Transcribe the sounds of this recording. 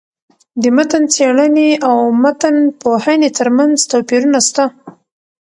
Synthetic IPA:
d̪əmat̪ənt͡seɽəneawmat̪anpohanet̪əɾmanzt̪apiɾunast̪a

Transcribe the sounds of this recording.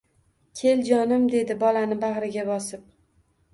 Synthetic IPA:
kʲʰe̞ld͡ʒɒnɪmd̪e̞d̪ɪbɒlanɪbaʁɾɪɡʲabɒsɪp̚

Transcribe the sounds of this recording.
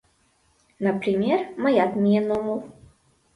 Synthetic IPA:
nɐpɾɪmʲɛrmɐjad̪mʲiɛnɔmuw

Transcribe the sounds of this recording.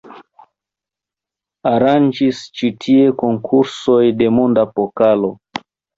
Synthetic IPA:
aɾand͡ʒist͡ʃitʰie̞ko̞ŋkʰuɾso̞jde̞mondapokalo̞

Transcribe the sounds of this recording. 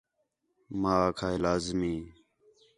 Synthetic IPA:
maːkʰaːɪlaːzmĩː

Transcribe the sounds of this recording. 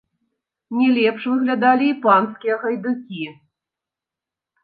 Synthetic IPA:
nʲɛlʲɛpʂvɨɣlʲad̪alʲiːpanskʲijɐɣɐjd̪ɨkʲi

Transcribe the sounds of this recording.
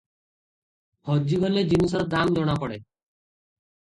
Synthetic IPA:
hɔd͡ʒiɡɔled͡ʒinis̬ɔɾɔd̪amd͡ʒɔɽ̃akɔɽe

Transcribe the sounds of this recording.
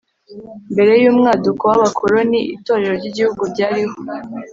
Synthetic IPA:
mbe̞ɾe̞juːmŋaːdukowaβakʰoɾoniito̞ːɾe̞ɾoɾɟiɟihuɡubɟaːɾiɦo

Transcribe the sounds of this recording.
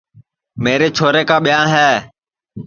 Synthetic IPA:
meːɾeːt͡ʃʰoːɾeːkãːɓɪjãːɦɛː

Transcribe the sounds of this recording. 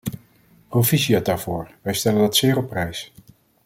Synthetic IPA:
rovisiadaːɹv̥ʊːɹʋɛjstɛləndɑtsɪːɹɔpːrɛjs

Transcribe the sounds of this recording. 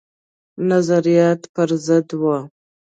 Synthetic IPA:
nazaɾijaːt̪pɨɾzɨd̪wa

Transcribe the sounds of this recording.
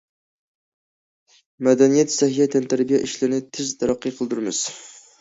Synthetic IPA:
mɛd̪ɛnijɛt̪sɛɦijɛt̪ʰɛnt̪ʰæɾbijɛʔiʃlɪɾnɪt̪ʰɪzt̪ʰɑɾɑqʰːɨjqʰəlˠd̪uɾɨmɪ̰z̥

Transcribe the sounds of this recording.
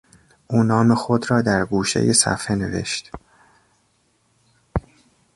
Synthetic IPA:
ʔuːnɒːme̞xod̪ɾɒːd̪æɾɡuːʃe̞̰jesæ̰fhene̞ve̞̰ʃt̪

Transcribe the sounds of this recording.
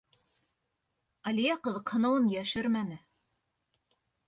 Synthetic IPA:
ɑlʲijæqɤ̆ðɤ̆qhɤ̆nɤ̆wɤnjæʃɘɾmænɘ

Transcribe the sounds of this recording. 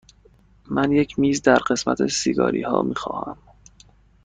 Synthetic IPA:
mænjecʰmiːzd̪æɾɢe̞smæt̪ʰesiɡɒ̰ːɾiːhɒːmiːxɒːhæ̰m

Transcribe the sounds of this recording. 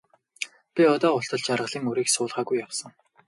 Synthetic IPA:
pʲiɔt̪ɔːʊɬt̪ə̆ɮt͡ɕarʁə̆ɮiːŋɵɾiːksʊːɮʁaːɣujːawsə̆ŋ

